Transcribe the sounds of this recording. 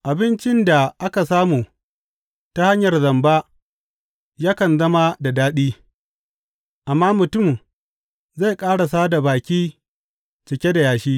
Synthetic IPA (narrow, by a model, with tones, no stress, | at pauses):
ʔa˨bɪ˦nt͡ʃɪ˦nda˨ʔa˦ka˨s̬aː˦muː˨ | ta˦ha˦ɲjɐ˨rzɐ˨mba˦ | jaː˦kɐ˨nzɐ˦ma˦da˨daː˦ɗiː˦ | ʔa˨mːaː˦mʊ˨tʊ˦˨m | za˦˨jkʼaː˦ɽa˨s̬aː˦da˨baː˨kʲiː˦ | t͡ʃɪ˨kʲe˦da˨jaː˨ʃiː˦